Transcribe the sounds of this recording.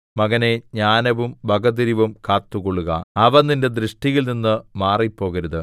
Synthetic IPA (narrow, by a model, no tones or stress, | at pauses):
mɐɣɐne̞ɲaːnɐʋumbʱɐɡɐðiɾiʋumkaːt̪ːuɣoɭːuɣɐ̰ɐʋɐninde̞d̪rɨʂʈiɣilninːɨmaːripːo̞ːɣɐɾuðɨ